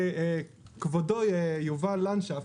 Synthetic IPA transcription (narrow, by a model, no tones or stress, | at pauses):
kvodojejuvalanʃea